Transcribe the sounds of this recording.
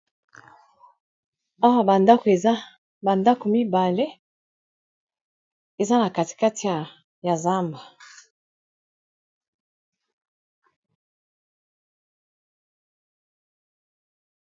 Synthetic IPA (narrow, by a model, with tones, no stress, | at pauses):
a˦wa˦ba˨nda˦ko˨e˨za˦ | ba˨nda˦ko˨mi˦ba˨le˦ | e˨za˦na˨ka˨ti̥˨ka˦ti˨ja˨ | ja˨za˦mba˨